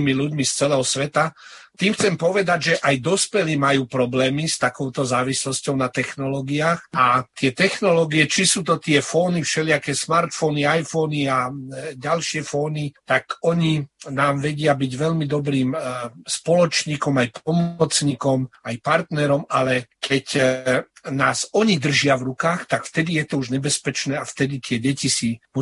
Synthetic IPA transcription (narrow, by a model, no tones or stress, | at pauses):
miluɟmist͡sɛlɛɦɔsʋɛt̪at̪iːmxt͡sɛmpɔʋɛd̪aɟʒɛʔajd̪ɔspɛliːmajuːpɾɔblɛːmist̪akɔʊt̪ɔzaːʋislɔscɔʊnat̪ɛxnɔlɔːɡiaːxat̪ɪɛt̪ɛxnɔlɔːɡiɛt͡ʃisuːt̪ɔt̪ɪɛfɔːnifʃɛlɪakɛsmaɾt̪fɔniajfɔniaɟalʃɪɛfɔːnit̪akɔɲinaːmʋɛɟɪabiɟʋɛʎmid̪ɔbɾiːmspɔlɔt͡ʃɲiːkɔmajpɔmɔt͡sɲikɔmajpaɾt̪nɛɾɔmalɛkʰɛc | naːsɔɲid̪r̩ʒɪaʋɾukaːxt̪akft̪ɛd̪ijɛt̪ɔuʒɲɛbɛspɛt͡ʃnɛːaft̪ɛd̪it̪ɪɛɟɛcisimu